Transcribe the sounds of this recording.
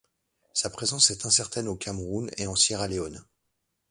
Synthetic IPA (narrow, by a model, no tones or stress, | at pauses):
sapχezɑ̃sɛt̪ɛ̃sɛʁt̪ɛnokʰʲamʁunḛɑ̃sjɛʁaleon